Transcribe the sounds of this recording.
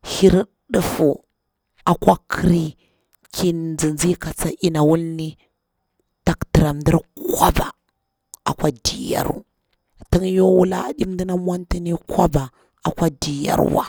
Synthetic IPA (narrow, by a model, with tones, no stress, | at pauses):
hi˦ɾ | ɗə˦fu˨ | a˨kʷa˦kʰə˦ɾi˦ | ki˨nd͡zi˨nd͡zi˦ka˨t͡sa˦ʔi˦na˨wu˦lni˦ | ta˦kdə˨ɾa˨mdi˦ɾkʷwa˦ba˨ | a̰˨kwa˦di˨ja̰˦ɾṵ˦ | ti˦njo˦wu˦la̰˦a̰˨ɗi˦mdi˦na˦mwa˦nti˦ni˦kʷwa˦ba˨ | a˨kʷa˦di˨ja̰˦ɾwa̰˦